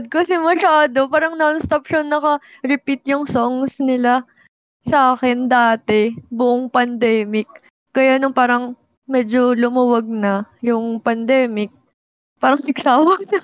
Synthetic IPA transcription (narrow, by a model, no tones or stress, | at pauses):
d̪̚kɐsɛmɐʃaːd̪o̞paːɾɐŋnonst̪opʃonːɐkɐ | ɾɪpit̪̚jʊŋsoŋsnɪla | sɐʔaːkɛnd̪aːt̪ɛbʊʔoŋpɐnd̪ɛːmɪk̚ː | ɐjaːnʊŋpaːɾɐŋ | mɛːd͡ʒolʊmuwɐɡ̚nɐjʊŋpɐnd̪ɛːmɪk̚ | paːɾɐŋnɪɡsaːwɐɡ̚nɐ